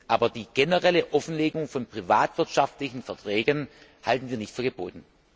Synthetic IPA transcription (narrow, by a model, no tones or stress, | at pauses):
ʔaːbɐdiːɡ̥enəʁɛləʔɔfn̩leːɡʊŋfɔnpʁ̥ivaːtv̥ɪɐtʃaftlɪçn̩fɛɐtʁ̥ɛːɡən | haltn̩viːɐnɪçtfyːɐɡ̥əbo̰ːtn̩